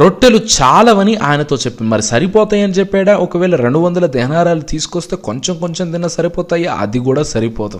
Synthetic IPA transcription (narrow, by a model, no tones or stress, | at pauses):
ɾo̞ʈːelut͡ʃaːlɐʋɐniʔaːjɐnɐt̪o̞ːt͡ʃepːind̪mɐɾisɐɾipɔːt̪aːjɐnit͡ʃɛpːɛːɽaːʔɔkɐʋɛːɭlɐɾe̞ɳɖuʋɐnd̪ɐlɐd̪ɛɦɐnaːɾaːlut̪iːsu̥kost̪e̞ːkoɲt͡ʃemko̞ɲt͡ʃemd̪inːɐsɐɾipɔːt̪aːjaɐ̰d̪iɡuːɽaːsɐɾipɔːt̪ɐm